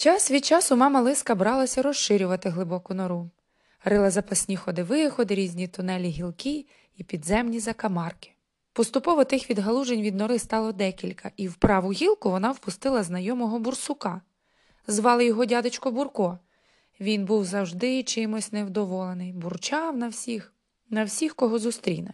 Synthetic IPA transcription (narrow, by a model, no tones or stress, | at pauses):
t͡ʃɑsʋʲit͡ʃɑsʊmɑmɐlˠɪskɐbɾɑlˠɐsʲɐɾɔʃɪɾʲʊʋɐt̪ɪɦlˠɪbɔkʊnɔɾu | ɾɪlˠɐzɐpɐsʲnʲixɔd̪ɪʋɪxɔd̪ɾʲizʲnʲit̪ʊnɛlʲiɦʲilˠkɪ | ipʲid̪zɛmnʲizɐkɐmɑrkɪ̥ | pɔst̪ʊpɔʋɔt̪ɪxʋʲid̪ɦɐlˠuʒenʲʋʲid̪nɔɾɪst̪ɑlˠɔd̪ɛkʲilʲkʰɐʔiwpɾɑʋʊɦʲilˠkʊʋɔnɑwpʊst̪ɪlˠɐznɐjɔmɔɦɔbʊrsʊkɑ | zʋɑlˠɪjɔɦɔdʲɑd̪ɪt͡ʃkɔbʊrkɔ | ʋʲinbuwzɐwʒd̪ɪt͡ʃɪmɔsʲnewd̪ɔʋɔlˠenɪjbʊrt͡ʃɑwnɐwsʲix | nɐwsʲixkɔɦɔzʊst̪ɾʲḭjnɐ